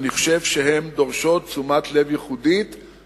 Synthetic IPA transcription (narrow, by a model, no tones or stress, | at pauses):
niχʃe̞vʃeɦe̞md̪oʁʃo̞t̚t͡sumat̪le̞vjiχudit̪